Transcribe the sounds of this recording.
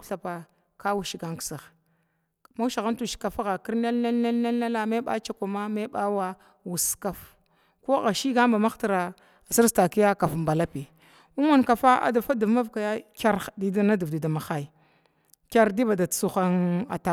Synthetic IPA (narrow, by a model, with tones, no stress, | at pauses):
ɬa˨pa˨ | ka˦wu˨ʃi˨ɡa˦ŋksa˨ɣ | ma˦u˦ʃa˨ɣa˦ntu˨ʃi̥˨ka˨fa˦ɣa˨ki˦ɾne˦lna˦lne˦lna˦lna˦la˦ma˦ɓa̰˦t͡ʃa˨ka˨ma˦me˦ɓa˦wa˦ | wu˨ska˨f | ko˦ɣa˨ʃi˦ɡa˦mba˨ma˦xta˨ɾa˨ | si˦sta˨ki˦ja˦ka˨fmba˨la˦pi˨ | u˦ma˦nka˨fa˦a̰˨da˨fa˦du˨vma˦vka˨ja˦kʲa˦ɾdi˨da˦na˦du˨vdi˨da˨ma˨xa˦i˨ | kʲa˦ɾdi˦ba˨da˨˦su˦xa˦na̰˨ta˨